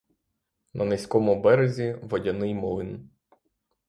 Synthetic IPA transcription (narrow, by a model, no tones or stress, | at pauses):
nɐnesʲkɔmʊbɛɾezʲiʋɔdʲɐnɪjmɔlˠɪn